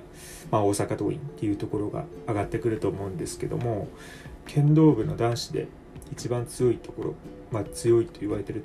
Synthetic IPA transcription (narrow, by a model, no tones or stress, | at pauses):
mao̞ːsakat̪o̞̰ːḭ̃nt̪ːe̞jɯ̟t̪o̞ko̞ɾo̞ɡa̰ːɡat̪ːe̞kɯ̟ɾɯ̟t̪o̞ːmo̞ɯ̟̃nd̪e̞sɨ̥ke̞d̪o̞̰mo̞ | kʰẽ̞nd̪o̞ːbɯ̟no̞̰d̪ãɰ̃ɕi̥d̪e̞̰ | it͡ɕibãnt͡sɨjo̞it̪o̞ko̞ɾo̞̰ | mat͡sɨjo̞it̪o̞iβaɾe̞t̪e̞ɾɯ̟t̪